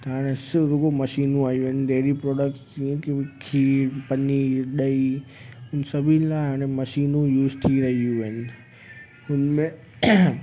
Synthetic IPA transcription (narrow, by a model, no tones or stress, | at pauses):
t̪ɦaːɽ̃esɪɾʊɡomɐʃiːnũaːijuɦnɪd̪eːɾipɾɔːɖək̚ʈsd͡ʑiẽkekʰiːpɐniɗɐiʊnsɐbʱɪlaːɪɦaːɽ̃emɐʃiːnũjuːzt̪ʰiɾɐɦiuʋəɦɪnɪ̆ | ʊnmẽ